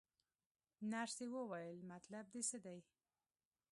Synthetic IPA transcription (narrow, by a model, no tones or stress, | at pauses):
naʂt̪ewəwajəlmat̪lab̚d̪esəd̪aj